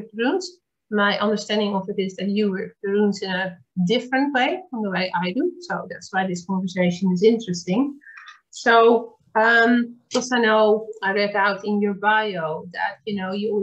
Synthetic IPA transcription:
dəɹũnz | maɪʔʌ̃ndə˞stæ̃ndɪ̃ŋɔfɨɾɪzðɨtjɨwə˞dəɹũnzɪ̃nə | dɪfɹə̃nt̚weɪfə̃nðəweɪʔaɪdusoʊðætswaɪðɪskɔ̃ɱvə˞seɪʃə̃nɪzɪ̃ntɹɨstɪ̃ŋ | soʊ | ʌ̃mlɛtsaɪnoʊaɪɹɛkaʊtɪ̃njəɹbaɪoʊðɨ̰tjɨnoʊjə

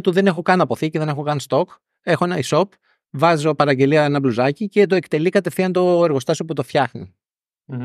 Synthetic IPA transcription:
t̪uðe̞ne̞xo̞kɐnɐpo̞θiceðe̞ne̞xo̞kɐnst̪o̞k | exo̞e̞nɐiso̞p | vɐzo̞pɐɾɐɲɟe̞liɐenɐbluzɐcice̞t̪̬o̞e̞kt̪e̞likɐt̪e̞fθiɐnt̪o̞eɾɣo̞st̪ɐsoput̪o̞fçɐxnḭ

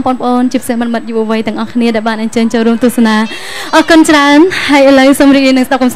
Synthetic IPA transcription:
mpŏənpə̆ʔoːnt͡ɕiəpi̥sehmɨnmɨt̪̚juʔaʋɨjt̪ɛ̆əŋʔɑhkʰniəɗaɛlɓaːnʔəɲt͡ɕəːɲt͡ɕoːlruəmt̪ʊəhsanaː | ʔɑhkʊnt͡ɕraənhaəjʔələwsomriːk̚riəjnɨŋsɗap̚kɑms

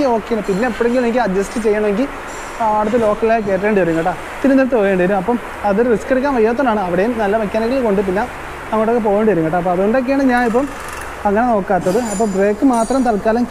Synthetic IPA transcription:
o̞ːkːejnːpinːeɐpːoːɽeŋɡilnenikːɐd̪jɐsʈɨt͡ɕe̞jːɐɳɐme̞ŋɡil | aːɽɐt̪̬ːɨlo̞ːkːɐllajke̞ːʈ̬ːeɳɖiʋɐɾuŋɡɐʈːaː | t̪iɾumnɐɾɐt̪ɨpoːjeɳɖiɐɾumɐpːɐm | ɐðoɾuriskɐɽikʲːaːnʋɐjːaːt̪̬ːɐnːaːɳɨɐʋiɽejumnɐlːɐmɐkʲːaːnɐɣɐɭko̞ɳɖɨp̬inːe | nɐmːɐʈːokːe̞p̬o̞ːjeɳɖiʋɐɾuŋɡɐʈːaːɐpːoɐðɨoɳɖok̬ːejaːɳɖɨɲaːnipːɐm | ɐŋːɐne̞no̞ːkːaːt̪ːɐðɨɐpːɐmbre̞ːkːɨmaːt̪rɐmt̪ɐlkaːlɐm

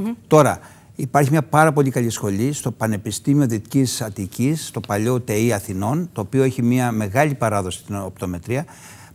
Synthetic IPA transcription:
t̪o̞ɾɐ | ipɐɾçimɲɐpɐɾɐpo̞ʎikɐlisxo̞ʎist̪o̞pɐne̞pist̪imio̞ðit̪icisɐt̪icist̪o̞pɐʎo̞t̪eiɐθino̞nt̪o̞ːpio̞eçimiɐme̞ɣɐʎipɐɾɐðo̞si̥t̪inopt̪o̞me̞t̪ɾiɐ

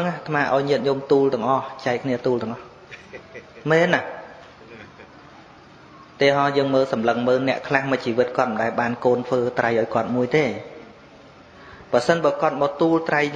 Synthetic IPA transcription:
ŋaht̪ʰmaːʔa̰ɔjɲiət̪̚ɲumt̪uːlt̪ɨ̆əŋʔɑht͡ɕaɛkʰniət̪uːlt̪ɨ̆əŋʔɑh | mɛːnːah | t̪ɛəɦɑjəːŋməːlsɑmləŋməːlnɛ̆əʔkʰlahmɨc̚t͡ɕiːʋɨt̪̚kŏət̪̚mə̆ɗaɛlɓaːnkoːnt̪ʰʋəːt̪rajʔaɔjkŏət̪̚muəjt̪eː | prɑsənɓaːkŏət̪̚maːt̪uːlt̪raj

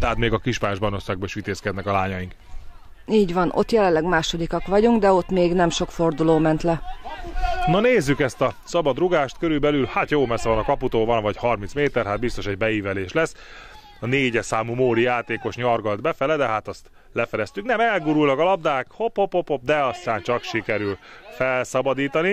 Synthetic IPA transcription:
t̪ɛɦaːt̪meːɡɒkiʃpaːjɔʒbɒjnoʃsaːɡ̚bɒiʃit̪eːskɛd̪nɛkɒlaːɲɒjiŋk | iːɟʋɒnʔo̞̰t̪jɛlɛnlːɛɡmaːʃo̞d̪ikɒkʋɒɟuŋɡd̪ɛo̞t̪meːɡnɛmʃo̞kfo̞rd̪uloːmɛnt̪lɛ | nɒneːzːykɛst̪ɒsɒbɒd̪ruɡaːʃt̪køɾylbɛlylhat̪joːmɛsːɛvɒnɒkɒput̪oːvɒnvɒchɒrminsmeːt̪ɛrɦat̪bist̪o̞ʃɛɟ̚bɛiːvɛleːʃlɛs | ɒneːɟɛsaːmumoːɾijaːt̪eːko̞ʃɲɒrɡɒld̪bɛfɛlɛd̪ɛɦaːt̪ɒst̪ | lɛfɛd̪ɛst̪yknɛmɛlɡuːɾulnɒkɒlɒb̚d̪aːkhophophophop̚d̪ɛɒst̪aːnt͡ʃɒkʃikɛɾylfɛlsɒbɒd̪iːt̪ɒni

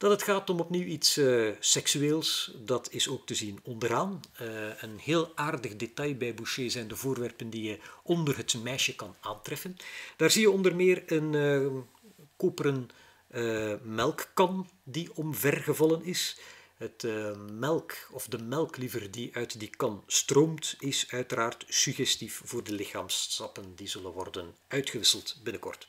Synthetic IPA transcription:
d̥ɑtɦətxaːtɔmɔpniwitssɛksyeːlˠsdɑtʰɪsoːk̚təzinɔndəraːnəənheːlˠaːrdəɣdetɑjbɛjbuʃeːzɛjndəvoːrʋɛrpəndijəɔndərɦətmɛjʃəkɑnaːntrɛfənd̥aːrzijəɔndərmɪːrən | koːpəɾənː | mɛlˠkːɑndiɔmvɛrɣəvɑlˠənɪsɦətːmɛlˠkɔvdəmɛlˠklivərdiʔœɥtdikɑnstroːmtɪsœɥtəraːrtsyɣɛstifv̥oːrdəlɪxaːmstɑpəndizɵlənʋɔ̰rdənœɥtxəʋɪsəlˠtbɪnəkɔ̰rt

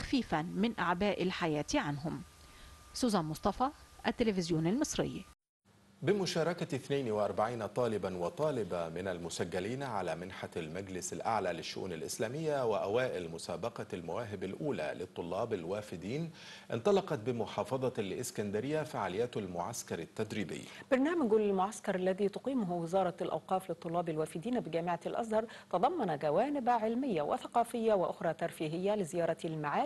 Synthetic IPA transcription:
xfiːfanmɪnʔaʕbaːʔɪlħajæːt̪iʕanɦʊm | suːzæːnmʊsˤt̪ˤɑfɑːʔat̪ːɪlɪfɪzjuːnalmɨsˤɾɪ̰jː | bɪmʊʃɑːɾˤɑkaθnajnwɪʔɑɾˤbaʕiːnat̪ˤɑːlɪbanwɑt̪ˤɑːlɪbamɪnalmʊsaɡːaliːnʕalaːmɪnħalmaɡlɪsalʔa̰ʕlaːlɪʃːʊ̰ʔṵːnalʔɪ̰slæːmɪjːawɪʔawaːʔɪlmʊsaːbɑqɑlmawaːɦɪbalʔuːla̰lɪt̪ˤːʊlːɑːbalwaːfɪd̪iːn | ʔɪnt̪ˤɑlɑqɑt̪̚bɪmʊħɑːfɑðˤɑlʔɪskand̪aɾɪjːafaʕaːlɪjaːt̪almʊʕa̰skɑɾˤɪt̪ːæd̪ɾiːbɪ̰jːb̥ɑɾˤnæːmæɡllmʊʕaskɑɾˤʔalːæðiːt̪ʊqiːmʊɦwɪzɑːɾˤɑlʔɑ̰wqɑːflɪt̪ˤːʊlːɑːbalwæːfɪd̪iːnbɪɡæːmɪʕalʔɑ̰s̬ˤhɑɾˤt̪ɑd̪ˤɑmːɑnaɡæwaːnɪbʕɪlmɪjːawɪ̰θɑqɑːfɪjːawɪʔʊxɾˤɑːt̪ɑɾˤfiːɦɪjːalɪzɪjɑːɾˤɑlmaʕaː

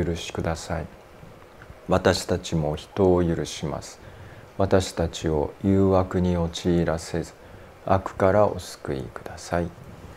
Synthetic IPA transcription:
ɯɾɯ̟ɕi̥kɯ̟d̪asai | βat̪aɕi̥t̪at͡ɕimo̞çi̥t̪o̞ːjɯ̟ɾɯ̟ɕima̰sɨ̥βat̪aɕi̥t̪at͡ɕio̞jɯːβakɯ̟ɲ̟io̞t͡ɕiːɾase̞zɨ̥ | akɯ̟̥kaɾaʔo̞̰sɨ̥kɯ̟ḭkɯ̟d̪̥asai

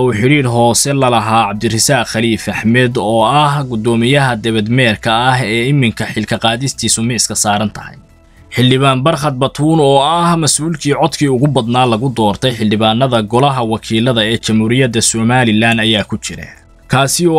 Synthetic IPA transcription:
uːħɪɾiːrɦɔːsɛlɐlɐɦaːʕɑb̚d̪ɪrɪsaːqxɐliːfɐħmɛd̪ɔːɐhɡʊd̪ɔːmɪjɐɦɐd̪ɛβɛd̪mɛːrkʰɐːɦɛːɪmːɪŋkʰɐħɪlkʰɐqɑːðɪst̪ʰiːsʊmɪɪskʰɐsaːɾɐnt̪ʰɐ̥hɐ̰j | ħɪldɪβaːnbɐrχɐt̪̚bɐt̪ʰuːnɔːɐhmɐsʔuːlkʰiːʕɔd̪kʰiːʊɣʊbɐd̪naːlɐɣʊd̪ɔːrt̪ʰɛjħɪlɖɪβaːnːɐðɐɡɔlɐɦɐwɑkʰiːlɐðɐɛːt͡ʃɐmhuːɾɪjɐd̪ɐsɔmaːlɪlaːnɐjaːkʰʊt͡ʃɪɾɛ̰ | kʰaːsɪɔː

